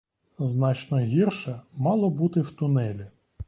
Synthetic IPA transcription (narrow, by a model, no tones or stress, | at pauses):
znɑt͡ʃnɔɦʲirʃɛmɑlˠɔbut̪ɪwt̪ʊnɛlʲi